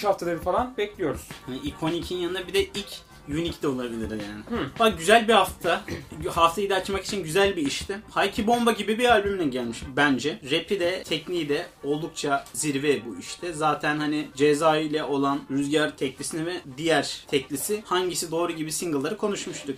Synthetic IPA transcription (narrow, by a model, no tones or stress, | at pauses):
ʃhaft̪ʰalˠaɾɯfalˠanbɛclʲijo̞ɾuz̥haniikʰo̞nicʰinjanɯnabid̪ɛilʲc | jynict̪ɛo̞lˠabilʲiɾjaːnɪbakɟyzælʲbihaftt̪ʰahaft̪ʰejid̪ɛat͡ʃmaki̥t͡ʃʰinɟyzælʲbiːʃt̪ʰɪhajcʰibo̞mbaɟibibiɾalʲbymd̪ɛɟælʲmiʃt̪ubænd͡ʒɛɾepʰid̪ɛt̪ʰɛcniːd̪ɛo̞lˠd̪ukt͡ʃʰaziɾvɛbuḭʃt̪ʰɛzaːt̪ʰænhanɪd͡ʒezaːɯjlʲɛʔo̞lˠanɾyzɟaɾt̪ʰɛclʲisinɛvɛd̪ijæɾt̪ʰɛclʲisɪhaɲɟisid̪o̞ːɾuɟibisiŋɡɯlˠːaɾɯkʰo̞nuʃmuʃt̪ʰʊk